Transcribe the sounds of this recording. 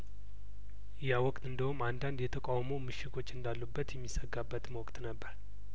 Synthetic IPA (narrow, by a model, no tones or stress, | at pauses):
jawɔkʼt̪ʼɨnd̪əhumand̪and̪jɛt̪ʰəkʼawmowmɨʃɪt̪ʰo̞t͡ʃːɨnd̪alːubːət̪jɛmːisəɡabːət̪məwɔkʼt̪nəbːəɾ